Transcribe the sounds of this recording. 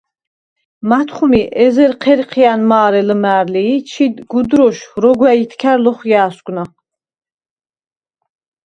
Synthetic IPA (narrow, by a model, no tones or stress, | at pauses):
mat̪ʰχumiʔɛzɛɾqʰɛɾqʰianmaːɾɛləmæːɾliːt͡ʃʰid̪ɡud̪ɾɔʃɾɔɡwæit̪ʰkʰæɾlɔχjaːsɡʷʼna